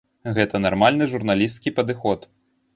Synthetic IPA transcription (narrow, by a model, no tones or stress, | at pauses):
ɣɛt̪ɐnarmalʲnɨʐurn̪alʲist̪̚kʲipɐd̪ɨxɔt̪